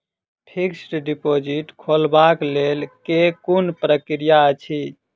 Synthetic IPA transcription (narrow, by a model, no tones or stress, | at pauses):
pʰiksʈɖipod͡ʒiʈkʰolbaklelkekunpɾəkɾijaət͡ʃʰi